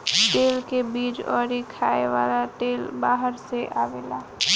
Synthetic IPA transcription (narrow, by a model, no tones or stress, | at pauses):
ʈelkebid͡ʒɔ̰ɾikʰaeʋalaʈelbaɦəɾseʔaʋela